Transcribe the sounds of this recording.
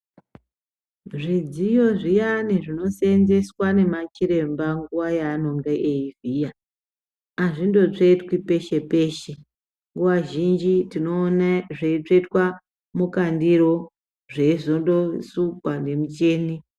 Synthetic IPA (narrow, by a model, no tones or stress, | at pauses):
ʐid͡zijo̞ʐijaniʐino̞senze̞swane̞mat͡ʃiɾe̞mbaŋɡuʋajaːno̞ŋɡeʔeivijaː | ʐindo̞t͡ʂetwipe̞ʃe̞pe̞ːʃe | ŋɡuʋaʒind͡ʒitino̞ːnaʐeit͡ʂetwa | mukandiɾo | ʐe̞iʐondo̞sukwande̞mut͡ʃeːni